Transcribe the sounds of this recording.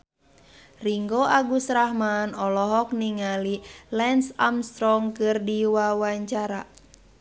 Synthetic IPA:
riŋɡoaɡusɾahmanɔlɔɦɔk̚niŋalilɛnsamst̪ɾɔŋkɨrdiwawaɲt͡ʃaɾa

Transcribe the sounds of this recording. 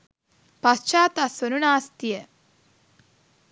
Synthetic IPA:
pɐst͡ʃaːt̪ɐsʋɐnunaːst̪ijɐ

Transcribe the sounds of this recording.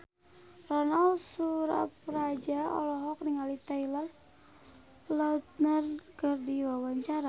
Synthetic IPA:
rɔnalsuɾa̰pɾad͡ʒaɔ̰lɔɦɔk̚niŋalit̪ailar | laut̪̚nərkərdiwawaɲt͡ʃaɾa

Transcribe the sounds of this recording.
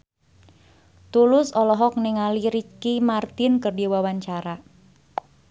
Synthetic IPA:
t̪ulʊsɔlɔɦɔk̚nɪŋaliɾit͡ʃkimart̪ɪnkərdiwawaɲt͡ʃaɾa

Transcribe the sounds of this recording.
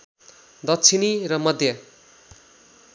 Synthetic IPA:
d̪ʌtt͡sʰiniɾʌmʌd̪ʱjʌ

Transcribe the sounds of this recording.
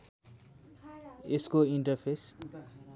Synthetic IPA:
eskoiɳʈʌrpʰes

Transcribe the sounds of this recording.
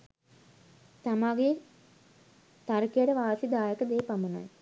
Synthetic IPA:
t̪amaːɡe | t̪aɾkijəʈəʋaːsid̪aːjəkəd̪eːpamuna̰j

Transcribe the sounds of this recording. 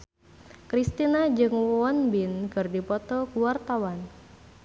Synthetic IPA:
kɾist̪inad͡ʒɨŋwɔnbinkɨrdipɔt̪ɔkuwart̪awan

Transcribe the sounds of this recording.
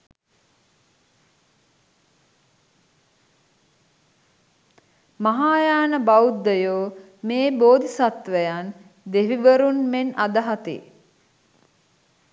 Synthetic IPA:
maɦaːjaːnəbaud̪ːəjoː | meːboːd̪isat̪ʋəjan | d̪eʋiʋəɾunmenad̪əɦat̪ḭ

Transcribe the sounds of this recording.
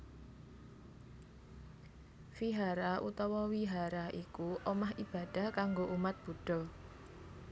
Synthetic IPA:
fiɦaɾaʔut̪ɔwɔwiɦaɾaikuʔɔmaɦib̥a̤d̥a̤hkaŋɡoʔumat̪̚b̥o̤ɖ̥ɔ̤

